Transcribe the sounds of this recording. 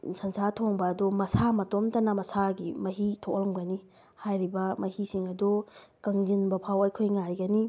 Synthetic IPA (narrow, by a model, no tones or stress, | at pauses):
sɐnsatʰoŋbɐːdumɐsamɐtomtɐnɐmɐsaɡimɐɦitʰoklmɡɐni | hajɾibɐmɐhisiŋɐdukɐŋd͡ʒinbɐpʰawɐjkʰojŋajɡɐni